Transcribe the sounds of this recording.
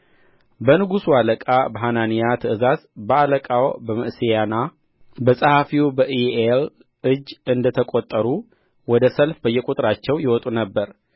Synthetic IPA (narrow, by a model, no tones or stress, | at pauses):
bənɨɡusualəkʼabəɦananijat̪ʰəɨzazbəaləkʼawbəməʔsejana | bəsʼəhafiubəʔiel | ɨd͡ʒːɨnd̪ət̪ʰəkʼot̪ʼːəɾu | wɔd̪əsəlfbəjːɛkʼut̪ʼɾat͡ʃːɛwjɛwɔt̪ʼunəbːəɾ